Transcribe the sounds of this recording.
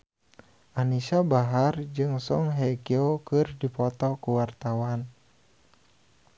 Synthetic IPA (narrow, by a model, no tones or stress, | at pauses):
ʔanisabaɦard͡ʒɨŋsɔŋɦɛkiokɨrdipɔt̪ɔkuwart̪awan